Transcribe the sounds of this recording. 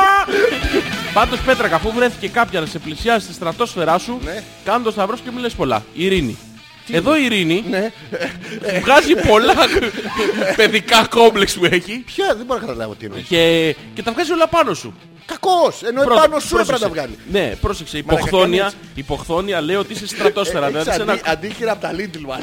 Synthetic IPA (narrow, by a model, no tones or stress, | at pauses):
pɐnd̪o̞spe̞t̪ɾɐkɐfuvɾe̞θi̥ce̞kɐpçɐnɐse̞plisiɐzist̪ist̪ɾɐt̪o̞sfe̞ɾɐsun | kɐnond̪ost̪ɐvɾoscemulespo̞lɐ̰iɾinḭ | eðo̞iːɾinine | vɣɐzipo̞lɐ | pe̞ðikɐko̞mbleksmueçipçɐðeboɾnɐkɐt̪ɐlɐ̰vɐ̰ot̪iino̰e | cet̪ɐvɣɐzio̞lɐpɐno̞sṵ | kɐkosenopɾoɐnosuɾoseɐd̪ɐvɣɐlḭne̞̰pɾo̞sekseioxθo̞niɐ | iːpo̞xθo̞niɐle̞io̞t̪iisest̪ɾɐt̪o̞sfe̞ɾɐðilɐðissenɐɐnd̪içiɾɐpot̪ɐlind̪ilmɐ